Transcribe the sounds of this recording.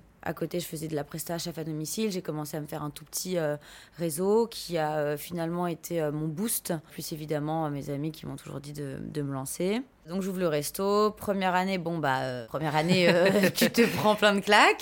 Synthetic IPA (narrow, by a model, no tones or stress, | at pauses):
a̰kot̪eʒəfəzɛd̪əlapχɛst̪aʃafad̪ɔmisilʒekɔmɑ̃seaməfɛʁɛ̃t̪u̥pə̥t̪ʰiøʁezokʲʰiaøfinalmɑ̃et̪ʰeømɔ̃bust̪plysevid̪amɑ̃mezamikʲimɔ̃t̪uʒṵʁd̪id̪ə̰d̪əməlɑ̃se | d̪ɔ̃kʒuvləʁɛst̪opχəmjɛʁanebɔ̃baø̰pχəmjɛʁaneøt̪yt̪əpχɑ̃plɛ̃d̪əklak